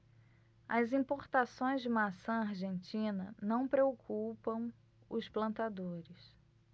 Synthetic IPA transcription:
ɐzĩpoɾt̪asõj̃zd͡ʒɪmasɐ̃aɾʒẽnt͡ʃĩnɐnɐ̃w̃pɾeokʰupɐ̃w̃ | ʊsplɐ̃nt̪ad̪oɾɪs

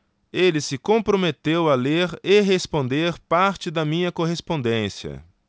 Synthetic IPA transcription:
elɪsɪkõpɾomet̪ewɐleɾeɦespõnd̪eɾpaɾt͡ʃɪd̪ɐmĩɲɐkoɦespõnd̪ẽsiɐ̰

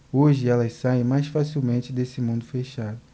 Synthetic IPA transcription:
oʒɪɛlɐssaẽj̃majsfasiwmẽnt͡ʃɪd̪esɪmũd̪ʊfeʃad̪ʊ

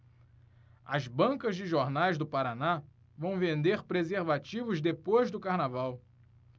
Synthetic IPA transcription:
ɐzbɐ̃ŋkɐzd͡ʒɪʒoɾnajzd̪ʊpaɾana | vɐ̃w̃vẽnd̪eɾpɾezeɾvat͡ʃivʊzd̪epojzd̪ʊkaɾnavaw

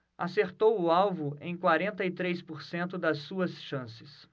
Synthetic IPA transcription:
aseɾt̪owʊawvʊḛ̃j̃kwaɾẽnt̪ɐɪt̪ɾejspoɾsẽnt̪ʊd̪ɐsːuɐsʃɐ̃sɪ̥s

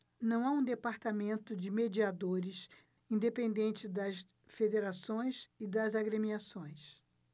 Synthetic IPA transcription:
nɐ̃w̃aũd̪epaɾt̪amẽnt̪ʊd͡ʒɪmed͡ʒiad̪oɾɪs | ĩd̪epẽnd̪ẽnt͡ʃɪd̪ɐs | fed̪eɾasõj̃sɪd̪ɐzaɡɾemiasõj̃s

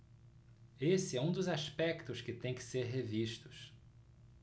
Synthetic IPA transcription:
esɪɛũd̪ʊzaspɛkt̪ʊskɪt̪ẽj̃kɪ̥seɾɦeviʃt̪ʊs

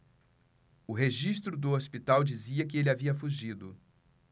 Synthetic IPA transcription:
ʊɦeʒiʃt̪ɾʊd̪ʊospit̪awd͡ʒiziɐkɪelɪaviɐfuʒid̪ʊ

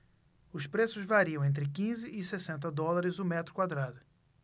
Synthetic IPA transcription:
ʊspɾesʊzvaɾiɐ̃w̃ẽnt̪̬ɾɪkĩzɪʔɪsesẽnt̪̬ɐd̪ɔlaɾɪzʊmɛt̪ɾʊkwad̪ɾad̪ʊ

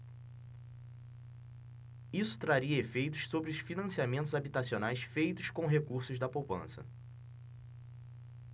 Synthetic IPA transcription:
isʊ̥t̪ɾaɾiɐefejt̪ʊ̥ʃsobɾɪʊsfinɐ̃siamẽnt̪ʊzabit̪asionajsfejt̪ʊʃkõɦekuɾsʊzd̪ɐpowpɐ̰̃sɐ̰

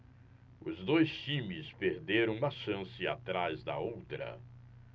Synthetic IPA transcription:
ʊzd̪ojst͡ʃĩmɪspeɾd̪eɾɐ̃w̃ũmɐʃɐ̃sɪa̰t̪ɾazd̪ɐ̰owt̪ɾɐ̰

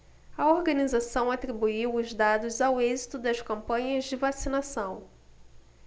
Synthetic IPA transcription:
ɐoɾɡɐ̃nizasɐ̃w̃at̪ɾibuiwʊzd̪ad̪ʊzawezit̪ʊd̪ɐskɐ̃mpɐ̃ɲɐzd͡ʒɪvasinasɐ̃w̃

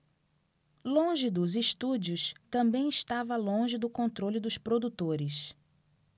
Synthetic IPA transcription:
lõʒɪd̪ʊziʃt̪ud͡ʒiʊst̪ɐ̃mbẽj̃ɪʃt̪avɐlõʒɪd̪ʊkõnt̪ɾolʊd̪ʊspɾod̪ut̪oɾɪs

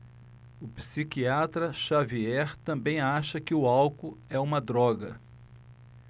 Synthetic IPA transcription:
ʊpsikiat̪ɾɐʃaviɛɾt̪ɐ̃mbẽj̃aʃɐkɪʊawkʊɛũmɐd̪ɾɔɡɐ

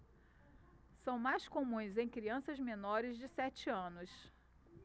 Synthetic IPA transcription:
sɐ̃w̃majskomũj̃zẽj̃kɾiɐ̃sɐzmenɔɾɪzd͡ʒɪsɛt͡ʃɪɐ̃nʊs

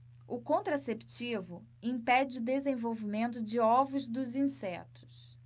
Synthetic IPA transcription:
ʊkõnt̪ɾasept͡ʃivʊ | ĩpɛd͡ʒɪʊd̪ezẽvowvimẽnt̪ʊd͡ʒɪɔvʊzd̪ʊzĩsɛt̪ʊ̥s

